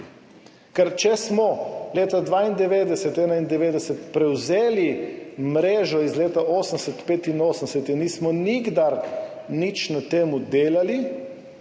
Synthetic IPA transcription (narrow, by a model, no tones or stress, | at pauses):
kɛɾt͡ʃɛsmɔleːt̪ad̪ʋaːind̪ɛʋeːd̪ɛsɛt̪ɛːnaind̪ɛʋeːd̪ɛsɛt̪pɾɛwzeːlimɾeːʒɔizleːt̪aoːsənsɛt̪peːt̪inoːsənsɛt̪inniːsmɔniɡd̪aɾ | nit͡ʃnat̪eːmud̪eːlali